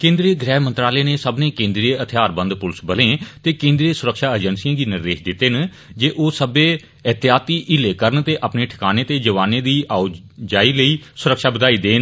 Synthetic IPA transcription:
kẽːnd̪ɾeːɡɾɛːmə̃nt̪ɾaːleːneːsəbnẽːkẽːnd̪ɾieət̪ʰɪjaːɾbə̃nd̪pʊlsbəlẽːt̪eːkẽːnd̪ɾieːsʊɾəkʃaːəd͡ʒənsijãːɡiːnɪɾd̪eːʃd̪ɪt̪ːeːn | d͡ʒeːʔoːsəbeː | ət̪ɪjaːt̪iːʔɪleːkəɾənt̪eːʔəpneːʈʰɪ̥kaːneːt̪eːd͡ʒəʋaːnẽːd̪iːʔaːʊ | d͡ʒaːiːləiːsʊɾəkʃaːbəd̪aːiːd̪eːn

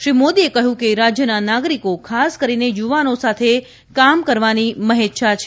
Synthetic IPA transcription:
ʃɾimod̪iekəɦjũkeɾad͡ʒjənanaɡɾikokʰaskəɾinejuʋanosat̪ʰe | kamkəɾʋaniməɦet̪ʃat͡ʃʰ

